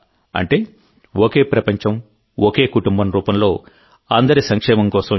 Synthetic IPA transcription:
ɐ̰ɳʈe̞ː | okeːpɾɐpɐɲt͡ʃɐm | oke̞ːkuʈumbɐmɾuːpɐmlo̞ː | aːnd̪ɐɾisɐŋkʂɛːmɐmkɔːsɐm

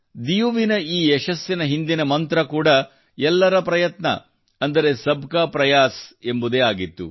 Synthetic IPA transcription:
d̪ijuʋinɐiːeʃɐsjɐnɐɦind̪inɐmɐnt̪ɾɐkuːɽɐ | ɛlːɐɾɐpɾɐjɐt̪nɐ̰ | ɐnd̪ɐɾe̞sɐbkaːpɾɐjaːse̞mbud̪eːaːɡit̪ːṵ

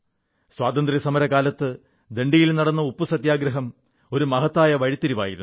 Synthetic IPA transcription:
swaːt̪ɐnd̪ɾrisɐmɐɾɐkaːlɐt̪ːɨ | d̪e̞ɳɖijilnɐɽɐnːɐupːusɐt̪jaːɡɾɐɦɐm | o̞ɾumɐɦɐt̪ːaːjɐʋɐɻit̪ːiɾiʋa̰ːjḭɾṵnː

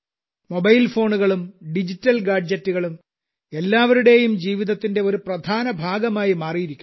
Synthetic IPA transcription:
mo̞bɐjlfo̞ːɳuɣɐɭumɖid͡ʑitːɐlɡaːɖd͡ʑɐtːuɣɐɭum | e̞lːaːʋɐɾuɽe̞ːjumd͡ʑiːʋiðɐt̪ːinde̞o̞ɾuprɐd̪ʱaːnɐbʱaːɡɐmaːjimaːrijiɾikʲːu

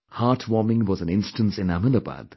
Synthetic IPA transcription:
haːʈʰwɔːmɪ̃ŋwɔzæ̃nɪ̃nsʈə̃nsɪ̃næmənəba̰d̪̥

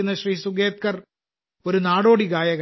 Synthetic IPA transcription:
unːɐɕriːsuɡe̞ːt̪̚kɐr | o̞ɾunaːɽoːɽiɡaːjɐɣ

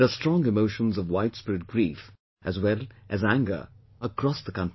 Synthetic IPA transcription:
əstɹ̥ɔ̃ŋɪmoʊʃə̃nzʌvwaɪdspɪɾɨt̚ɡ̥ɹif | ʔɨzwɛlˠʔɨzæ̃ŋɡə̰˞ | əkɹ̥ɔsðəkʰʌ̃n

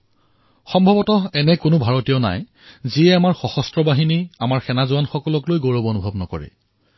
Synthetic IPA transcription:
xɔmbʱɔbɔtɔɛnɛkʊnʊbʱaɹotijɔna̰j | ziɛamaɹxɔxɔstɹɔbaɦiniamaɹxɛnazʊanxɔkɔlɔklojɡoɹɔbonubʱɔbnɔkɔ̰ɹɛ̰

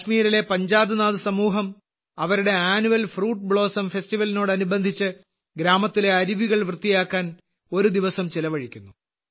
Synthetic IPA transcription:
ʂmiːɾile̞pɐɲd͡ʑaːd̪ɨnaːðɨsɐmuːɦɐm | ɐʋɐɾuɽe̞aːnuʋɐlfruːʈ̚ːbɭo̞ːsɐmfe̞sʈiʋɐlino̞ːɽɨɐnubɐnd̪ʱit͡ɕːɨ | ɡɾaːmɐt̪ːile̞ɐɾiʋiɣɐɭʋrɨt̪ːijaːkːaːn | o̞ɾud̪iʋɐsɐmt͡ɕilɐʋɐɻikʲːunːu

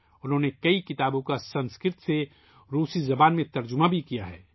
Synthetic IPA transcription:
ʊnɦõːnekɐikɪt̪aːbõkasɐ̃nskɪɾt̪se | ɾuːsizɐbaːnmẽt̪ɐɾd͡ʒʊmabʱikijaɦɛː

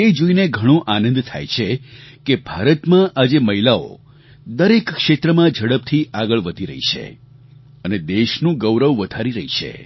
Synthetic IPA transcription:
ed͡ʒoineɡʱəɽ̃ũʔanə̃nd̪t̪ʰa̰jt͡ʃʰekebʱaɾət̪mãʔad͡ʒeməɦilao̰ | d̪əɾekːʂet̪ɾəmãd͡ʒʱəɽəp̚t̪ʰiʔaɡəɭʋəd̪ʱiɾə̰ɦḭt͡ʃʰḛ | əned̪eʃnũɡəwɾəʋːəd̪ʱaɾiɾəɦit͡ʃʰḛ

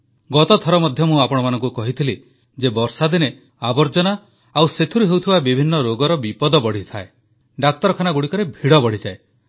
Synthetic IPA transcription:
ɡɔt̪ɔt̪ʰɔɾɔmɔd̪ʱjɔmũapɔɽ̃ɔmanɔ̃ŋkukɔɦit̪ʰili | d͡ʒebɔɾsad̪ine | abɔɾd͡ʒɔna | awset̪ʰuɾuɦewt̪ʰibabibʱinːɔɾoɡɔɾɔbipɔd̪ɔbɔɽ̤it̪ʰae | ɖak̚t̪ɔɾɔkʰanaɡuɽikɔɾebʱiɽɔbɔɽ̤id͡ʒae

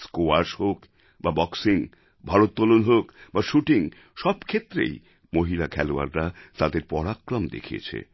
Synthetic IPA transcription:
skoaɾʃɦok | babɔksiŋ | bʱaɾot̪̚ːɔlonɦokbaʃuʈiŋ | ʃɔbkʰet̪ːɾḛj | moɦilakʰɛloa̰ɾːat̪ad̪eɾpɔɽakːɾɔmd̪ḛkʰiḛt͡ɕʰḛ

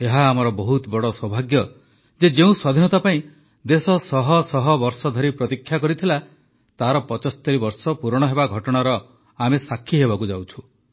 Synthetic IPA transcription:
eɦaːmɔɾɔbɔɦut̪bɔɽɔswɔbʱaɡjɔ | d͡ʒed͡ʒeũswad̪ʱinɔt̪apaĩ | d̪esɔsɔɦɔsɔɦɔbɔɾsɔd̪ʱɔɾipɾɔt̪ikʰːjakɔɾit̪ʰila | t̪aɾɔpɔt͡ʃɔst̪ɔɾibɔɾsɔpuɾɔɽ̃ɔɦebaɡʱɔʈɔɽ̃aɾɔ | amesakʰːiɦebakud͡ʒawt͡ʃʰũ̥

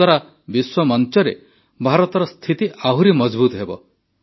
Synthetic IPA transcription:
waɾa | biswɔmɔnt͡ʃɔɾḛ | bʱaɾɔt̪ɔɾɔst̪ʰit̪iʔaɦuɾimɔd͡ʒbut̪ɦebɔ̰

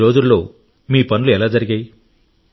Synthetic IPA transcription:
ɾo̞ːd͡ʒulːo̞ː | miːpɐnuluɛlaːd͡ʒɐɾiɡaːji

